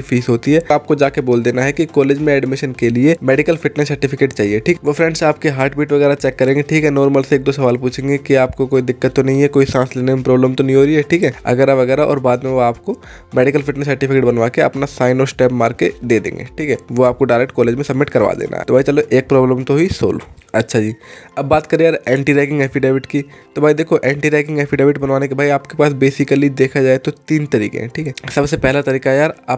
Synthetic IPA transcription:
ifʰiːsɦoːt̪iɦɛːaːp̚kod͡ʒaːkeboːld̪eːnaɦɛkikɔːleːd͡ʒmẽɛːɖmɪʃənkeliemɛːɖɪkəlfɪʈnəsːɐɾʈɪfʰɪkeːʈt͡ʃaːɦieʈʰiːkʋofɾɛ̃ɳɖsaːpkeɦaːɾʈbiːʈʋɐɣɛːɾat͡ʃɛːkːɐɾẽːŋɡeʈʰiːkɦɛnɔːɾməlseːk̚d̪osɐʋaːlpuːt͡ʃʰẽːŋɡekiaːpkokoːid̪ɪkːət̪ːonɐɦĩɦɛkoːisãːsleːnemẽpɾɔːbləmt̪onɦĩɦoːɾiɦɛʈʰiːkɦɛːɐ̰ɡɛːɾaʋɐɣɛːɾaʔɔ̰ːɾbaːd̪mẽʋoaːpko | mɛːɖɪkəlfɪʈnəsːɐɾʈɪfʰɪkeːʈbɐnʋaːkeɐ̰pnasaːɪnɔːɾsʈɛːpmaːɾked̪eːd̪ḛ̃ːŋɡḛːʈʰiːkɦɛːʋoaːp̚koɖaːɾekʈ̚kɔːleːd͡ʒmẽsɐbmɪʈkɐɾʋa̰d̪ḛːna̰ɦɛ̰t̪obʱaːit͡ʃɐloʔeːk̚pɾɔːbləmt̪oɦisoːlo̰ɐtːʃʰad͡ʒiːɐbːaːt̪kɐɾẽjaːɾɛ̃ːɳʈiɾɛːkɪ̃ŋɡɛːpʰiɖeːʋɪʈkit̪obʱaːid̪eːkʰoʔɛ̃ːɳʈiɾɛːkɪ̃ŋɡɛːpiɖeːʋɪʈbɐnʋaːnekebʱaːiaːpkepaːsbeːsɪkəlid̪eːkʰad͡ʒaːet̪ot̪iːnt̪ɐɾḭːkḛ̃ɦɛ̃ʈʰiːkɦɛsɐbsepɛɦlat̪ɐɾiːkaɦɛjaːɾaː

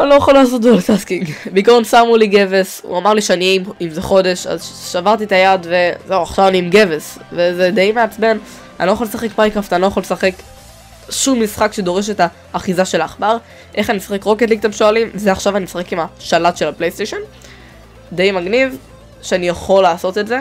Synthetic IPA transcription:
anilo̞jaχolaːs̬o̞t̚d̪olt̪askiŋɡbeikoʁonsamuliɡevesṵamaʁliʃeanimimzeχo̞de̞ʃa̰zʃavaʁt̪it̪ajad̪ve̞ze̞uaχʃavaniːmɡe̞vesvezed̪ejmeat͡sme̞n | anilo̞jaχo̞lesaχe̞k̚pakʁaft̪anilojaχolesaχe̞k | ʃumːisχakʃed̪o̞ʁe̞ʃ̬e̞taː | χizaʃe̞laːχbaʁ | ʔe̞χanimesḁχe̞kʁo̞ket̪liɡ̚t̪amʃoalimzeaχʃavanimesaχe̞kimaʃalat̪ʃelaplejst̪eʃon | d̪e̞jmaɡniv | ʃeanijaχo̞laːso̞t̪etze

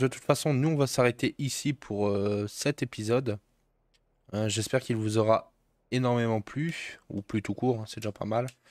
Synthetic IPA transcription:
d̪ət̪u̥t̪fasɔ̃nuɔ̃vasaʁet̪eʔisipʰuʁøsɛt̪epizɔd̪ | øʒɛspɛʁkʲilvuzɔʁa | enɔʁmemɑ̃plyṵplyt̪ukuːʁɛ̃sɛd̪eʒapa̰mal

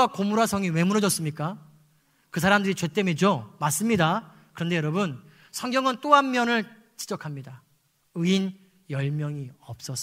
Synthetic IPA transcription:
akomuɾasʰʌŋiwe̞muɾʌd͡ʑʌs͈ɯmɲik͈a | kɯs̬ʰaɾamdɯɾit͡ɕwe̞t͈emed͡ʑomas͈ɯmɲida | kɯɾʌnde̞jʌɾʌbɯn | sʰʌŋɡjʌŋɯnt͈oamːjʌnɯɭ | t͡ɕi̥d͡ʑʌkʰamɲida | ɯin | jʌɭmjʌŋiʌp̚s͈ʌs͈

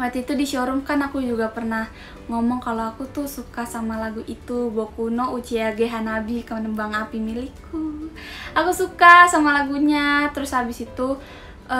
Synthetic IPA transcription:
wat̪iːt̪udiʃɔɾuŋkanakud͡ʒuɡapərnah | ŋɔmɔŋkaloakut̪ʊhsukasamalaɡuʔit̪ubokunɔut͡ʃiaɡeɦanabikəmanəmbaŋapimilikːu | akusukasamalaɡuɲat̪əɾʊshabɪsit̪u

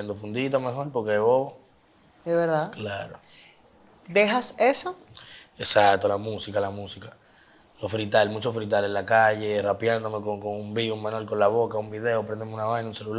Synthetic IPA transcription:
end̪ofund̪it̪̬ome̞xo̞ɾpo̞ɾkeeβoβo | esβeɾðaklaɾo | d̪eɦaseso | e̞sakt̪o̞lamusikalamusika | lo̞fɾit̪almut͡ʃofɾit̪̬ale̞nlakaʝe̞rapjand̪o̞me̞koŋkoŋumbiumãnolko̞nlaβo̞kaumbiðe̞opɾend̪emunaβanaũnse̞lul

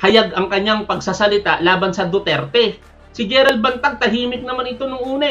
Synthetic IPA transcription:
hɐjaɡɐŋkɐɲaŋpɐɡsasɐlɪt̪aʔlaːbɐnsɐd̪ot̪ɛɾt̪ɛ | sɪɡɛɾɐlbɐnt̪aɡ̚t̪ɐɦiːmɪk̪̚nɐmanɪt̪o̞nʊŋʔuːnɐ

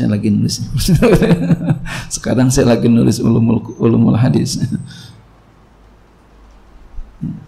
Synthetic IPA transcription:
aja̰laɡinulɪsɲast̪u | sə̥kaɾaŋsajalaɡinulɪsṵlumululʊmʊ̰lɦadɪsɲa

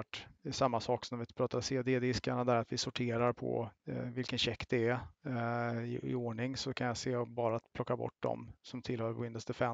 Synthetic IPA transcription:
ʈsamːasɑːksɔnmvɪpʰɾɑːt̪aɾseːd̪eːd̪ɪskaɳad̪æɾat̪vɪsʊʈʰeːɾaɾpʰɔ̰vɪlkənɕɛkt̪ɛæ | ɪɪ̰oːɳɪŋsɔkʰanjaseːɔbɑːɾaːt̪pʰlɔkːabɔ̰ʈ̚ːd̪ɔ̰msɔmt̪ʰɪlːhœːɾwɪnd̪əsd̪ɛfɛ

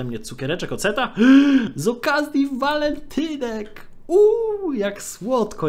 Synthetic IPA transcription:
ɛmɲɛt̪sukʲɛɾɛt͡ʂɛkɔt̪sɛt̪a | zɔkazʲjivalɛnt̪ʰɘnɛk | ujakswɔt̪kɔ

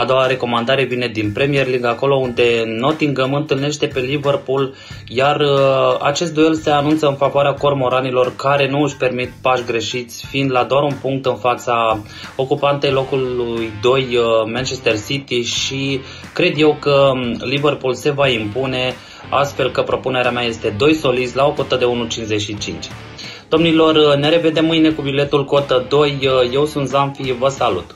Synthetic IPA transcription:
ad̪o̞waɾe̞ko̞mand̪aɾe̞vine̞d̪inpɾe̞mierliŋɡako̞lo̞und̪e̞no̞t̪iŋɡəmɨnt̪ɨlne̞ʃt̪e̞pe̞live̞rpul | jara̰t͡ʃe̞s̬t̪d̪ue̞lse̞anunt̪səɨnfavoaɾeako̞rmo̞ɾanilo̞rkaɾe̞nuɨʃpe̞rmit̪paʃɡɾe̞ʃit̪sʲfind̪lad̪oaɾunpuŋk̚t̪ɨnfat̪sa | o̞kupant̪e̞jlo̞kulujd̪o̞jmant͡ʃe̞st̪e̞rsit̪iʃi | kɾe̞d̪je̞wkəliverpulse̞vaimpune̞ | a̰st̪fe̞lkəpɾo̞pune̞ɾeamaje̞st̪e̞d̪o̞jso̞lid̪sʲlao̞ko̞t̪əd̪e̞unut͡ʃinzeʃit͡ʃint͡ʃʲ | d̪̥o̞mnilo̞rne̞ɾe̞ve̞d̪e̞mːɨjne̞kubile̞t̪ulko̞t̪əd̪o̞jːe̞wsunt̪zaɱfivəsalṵt̪

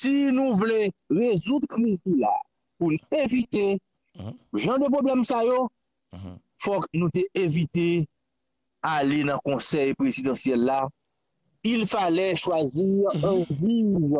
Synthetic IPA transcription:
sinũvleʁezud̪kʁizila̰ | pulevit̪e | ʒɑ̃d̪əp̬ʁoblɛmsajo | fɔknũt̪eʔevit̪e | alenɐ̃kɔ̃sɛjpʁezid̪ɑ̃sjɛlːa | ilfalɛʃwaziɛ̃ziz

